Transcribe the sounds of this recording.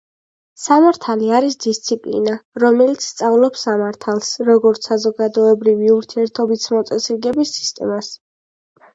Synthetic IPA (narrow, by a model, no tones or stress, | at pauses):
samaɾt̪ʰaliaɾisd̪ist̪sʰipʼlḭnaɾɔmɛlit̪sʰst̪sʼavlˠɔpsamaɾt̪ʰalˠsɾɔɡɔɾt̪sʰazɔɡad̪ɔɛbɾiviuɾt̪ʰiɛɾt̪ʰɔbisʰmɔt̪sʼɛsiɾɡɛbisːi̥st̪ʼɛ̰mas